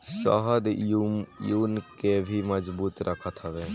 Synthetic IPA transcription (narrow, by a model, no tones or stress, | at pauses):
sə̰ɦəd̪ | junkebʱiməd͡ʒbuːt̪ɾʔəkʰət̪ʰaʋe